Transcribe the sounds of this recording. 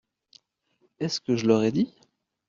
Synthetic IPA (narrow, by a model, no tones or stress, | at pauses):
ɛskəʒəlɔʁɛd̪i